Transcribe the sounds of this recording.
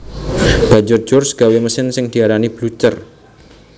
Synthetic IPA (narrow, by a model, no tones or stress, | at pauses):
b̥a̤ɲd͡ʒʊrd̥d͡ʒ̥ʊrsɡ̥a̤weməsɪnsɪŋd̪̥i̤aɾanib̥lut͡ʃər